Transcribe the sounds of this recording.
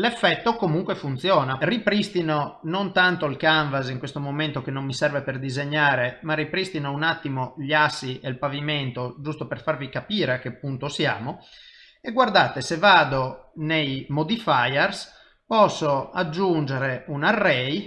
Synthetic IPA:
lefːɛt̪ːokomuŋkwefunt̪sjɔːnaripɾist̪inonont̪ant̪oilkaɱvaziŋkwest̪omoment̪okenomːisɛrveperd̪izeɲːaːɾemarːipɾist̪inounat̪ːimoʎasːiʔelpaviment̪od͡ʒust̪operfarvikapiːɾeakːepːunt̪osja̰ːmo | eɡward̪aːt̪esevaːd̪onejmod̪ifajɛrs | pɔsːoad͡ʒːund͡ʒeɾeunarːɛj

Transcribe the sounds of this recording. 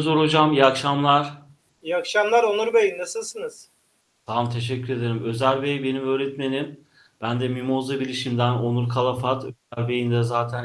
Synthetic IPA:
zoɾod͡ʒamjakʃamlˠaɾ̥ | jakʃamlˠaɾonuɾbejinnasɯlˠsɯnɯz̥ | t̪ʰamt̪ʰe̞ʃ̬ɛcʰːyɾe̞d̪eɾimø̞zæɾʲbejbe̞nivøːɾɛt̪me̞nim | b̥ænd̪ɛmimozˠabilʲiʃimd̪æno̞nuɾkʰalˠafat̪øæɾbejind̪ɛzaːt̪ʰæn

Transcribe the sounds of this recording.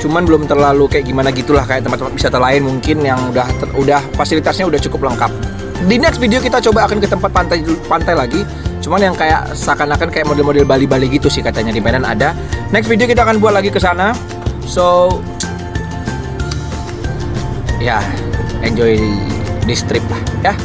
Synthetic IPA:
t͡ʃumanbəlʊmt̪ərlalukajaʔɡimanaɡit̪ulahkajaʔ̚t̪əmpat̪at̪̚bisat̪ərlaɪnmuŋkɪnjaŋudaht̪əudahfasilit̪asɲaudaht͡ʃukʊpləŋkap̚ | dinɛksfideokit̪at͡ʃobaːkankət̪əmpat̪̚pant̪ajpant̪ajlaɡi | t͡ʃumanjaŋkaja̰ʔ | sakanakankajaʔmodɛlmodɛlbalibaliɡit̪usɪhkat̪aɲadimanana̰da | nɛksfideokit̪̬aːkanbuat̪̚laɡikəsana | so | ijaɛnd͡ʒɔidist̪ɾɪp̚lahja

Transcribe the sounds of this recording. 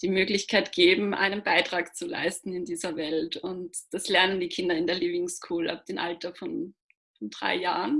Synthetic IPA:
d̥iːmøːɡlɪçkʰaɪtɡ̥eːbm̩ʔa̰ɪnənbaɪtʁ̥aːkt͡sula̰ɪstn̩ɪndiːzɐvɛltʊntd̥aslɛɐnəndiːkʰɪndɐɪndeːɐliːbɪŋskʰuːlʔa̰f̚d̥eːmʔaltɐfɔn | fɔndʁa̰ɪja̰ːʁən

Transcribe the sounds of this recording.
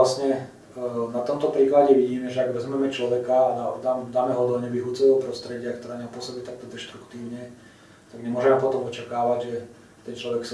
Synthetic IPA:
lasɲɛ | nat̪ɔmt̪ɔpɾiːklaɟɛʋiɟiːmɛʒɛaɡʋɛzmɛmɛt͡ʃlɔʋɛkad̪ad̪amd̪aːmɛɦɔd̪ɔɲɛʋiɦut͡sɔʋɛɔpɾɔst̪ɾɛɟɪakt̪ɔɾɛːɲɛmpʊɔsɔbit̪ak̚t̪ɔd̪ɛʃt̪ɾukt̪iːʊɲɛ | t̪aɡɲɛmʊɔʒɛmɛpɔt̪ɔmɔt͡ʃakaːʋaɟʒɛ | t̪ɛnt͡ʃlɔʋɛks

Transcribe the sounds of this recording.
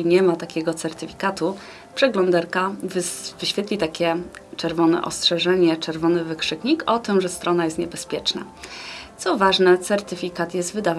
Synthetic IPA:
iɲɛmat̪akʲɛɡɔt̪sɛɾt̪ɘfʲi̥kat̪u | pʂɛɡlɔnd̪aɾkavvɘɕfʲjɛt̪lʲit̪akʲɛt͡ʂɛɾvɔnɛ̰ʔɔ̰stʂɛʐɛɲɛt͡ʂɛɾvɔnɘvɘkʂɘkɲikʰɔt̪ɘmʐɛst̪ɾɔnajɛst̪ɲɛbɛspʲjɛt͡ʂna̰ | t̪sɔvaʐnɛt̪sɛɾt̪ɘfʲikat̪jɛst̪vɘd̪av

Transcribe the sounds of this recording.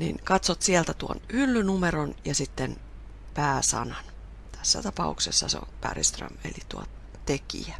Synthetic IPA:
nḭnkɑt̪sot̪siɛlt̪æt̪uo̰nylːynumeronjɑsit̪ːen | pæːsɑ̰nɑn | t̪ʰæsːæ̰t̪ɑpɑuksesːɑsḛo̰npæ̰rist̪rɑ̰mḛlit̪uɑ | t̪ekḭæ

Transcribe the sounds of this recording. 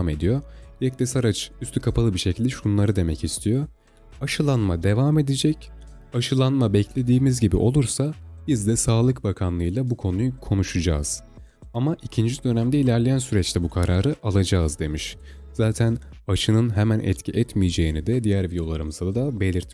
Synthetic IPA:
me̞d̪ijo̞jɛc̚t̪ɛsaɾat͡ʃyst̪ʰykʰapʰalˠɯbiʃecʰilʲd̪ɛʃuunlˠaɾɯd̪e̞mɛcist̪ʰijo | aʃɯlˠanmad̪e̞vaːme̞d̪ed͡ʒɛc | aʃɯlˠanmabɛclʲe̞d̪iːmizɟibḭʔo̞lˠuɾsabizd̪ɛsaːlˠɯkbakʰanlˠɯjlˠabukʰo̞nujukʰo̞nuʃud͡ʒa̰ːz̥ | amaʔicʰind͡ʒid̪ø̞næmd̪ɛilʲæɾlʲejænsyɾɛt͡ʃlʰʲɛbukʰaɾaːɾɯʔalˠad͡ʒazd̪e̞miʃ | z̥aːt̪ʰænaʃɯnɯnɦemænʔɛ̰t̪cʰiʔɛt̪mijed͡ʒe̞inid̪ɛd̪ijæɾvid̪jo̞lˠaɾɯmɯzad̪ad̪abe̞lʲiɾt̪

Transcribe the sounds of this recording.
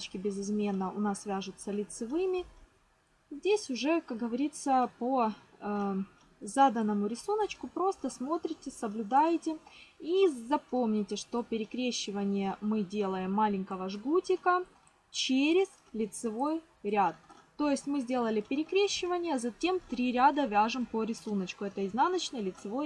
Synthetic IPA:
t͡ɕkʲɪbʲɪzɨzmʲe̞nːəʔʊnasːvʲæʐʊt̪səlʲɪt̪sɨvɨmʲɪ | zʲdʲesʲʊʐɛkak̚ɡəvɐɾʲit̪səpoə | zad̪ənːəmʊɾʲɪsunət͡ɕkʊpɾo̞st̪əsmo̞t̪ɾʲɪtʲɪsəblʲʊd̪ajtʲɪizɐpo̞mnʲɪtʲɪʂt̪o̞pʲɪɾʲɪkɾʲeɕːɪvənʲɪjəmɨdʲe̞lˠəjɪmːalʲɪŋʲkəvəʐɡutʲɪkə | t͡ɕeɾʲɪz̥ | lʲɪt̪sɨvo̞j | ɾʲat̪̚ː | o̞jɪsʲtʲmɨzʲdʲe̞lˠəlʲɪpʲɪɾʲɪkɾʲeɕːɪvənʲɪjəzɐtʲe̞mt̪ɾʲiɾʲad̪əvʲaʐɨmpəɾʲɪsunət͡ɕkʊɛt̪əiznanət͡ɕnɨjlʲɪt̪sɨvo̞j

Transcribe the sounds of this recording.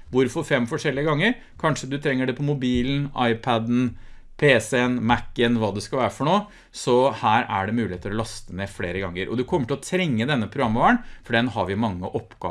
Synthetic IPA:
ʋʊɾfɔɾfɛmːfɔʂɛlːɪəɡɑŋːəɾ | kʰɑnʂəd̪ʉt̪ʰɾɛŋːəɖɛpʰɔmʊbiːln̩ɑ̰ɪpʰæd̪n̩ | pʰeːsɛnmækːənʋɑːd̪ɛskɑlʋæːɾəfɔɳoː | sɔhæːɾæɖɛmʉːlɪeːt̪əlɔlɑst̪əneːfleːɾəɡɑŋːəɾʔɔ̰d̪ʉkʰɔmːəʈɪlɔt̪ʰɾɛŋːəd̪ɛnːəpʰɾʊɡɾɑmːəʋæːɳfɔɖɛnɦɑɾʋɪmɑŋːəʔɔpːɡ̥ɑ̰ː

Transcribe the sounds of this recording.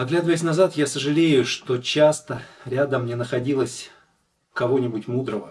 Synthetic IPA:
ɐɡlʲad̪əvəjɪs̬ʲnɐzat̪jasəʐɨlʲejʊʂt̪o̞t͡ɕast̪əɾʲad̪əmːnʲenəxɐdʲilˠəsʲ | kɐvo̞nʲɪbʊtʲmud̪ɾəvə

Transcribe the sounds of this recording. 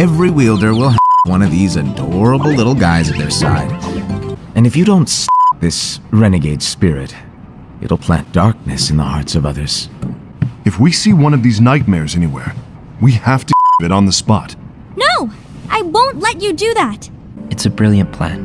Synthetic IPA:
ɛvɹiwilˠdə˞wɪlˠɦvwʌ̃ñʌvðizɨdɔɹəbl̩ˠlɪɾl̩ˠɡaɪzɨt̪̚ðə˞sa̰ɪd̥ | ʔɨ̃nɨfjɨɾõʊ̃ntsɑp̚ðɪsɹɛnɨɡeɪd̥spɪɹɪ̰t | ɪ̰ɾl̩ˠpʰl̥æ̰̃nd̥ɑɹk̚nɨsɨnðə̰hɑɹtsʌvʌðə˞z̥ | ɨfwisiwʌ̃nʌvðiznaɪt̚mɛɪɹzɛñiwɛ̰ɹ | wihæftɨvɨɾn̩ðəspɑ̰t̚ | noʊ | ʔaɪwõʊ̃ntˡlɛt͡ʃɨdɨðæt | ɨtsɨbɹɪlˠjɨ̃npʰl̥æ̰̃n

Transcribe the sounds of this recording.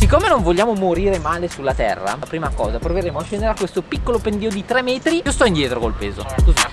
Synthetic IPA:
sikːomenoɱvolʎːaːmomoɾiːɾemaːlesulːat̪ɛ̰rːa̰pɾiːmakɔ̰ːzapɾoveɾeːmoat͡ʃːɛnd̪eɾakwest̪opikːolopend̪iːod̪it̪ɾɛmːɛːt̪ɾiiost̪ɔind̪jɛːt̪ɾokolpeːzo̰t̪us

